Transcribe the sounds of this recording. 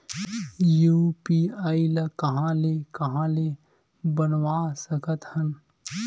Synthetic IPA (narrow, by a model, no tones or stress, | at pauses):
juːpiːaːilɐkɐɦãːleːkɐɦãːle | bɐnwaːsəkət̪hɐn